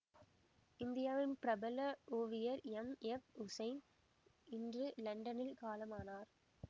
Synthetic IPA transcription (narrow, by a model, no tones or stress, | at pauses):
ɪnd̪ɪjaːʋɪnpɾɐbɐlɐoːʋɪjɐɾɛmɛfʊsɐɪn | ɪndrɯlɐɳɖɐnɪlkaːlɐmaːnaːɾ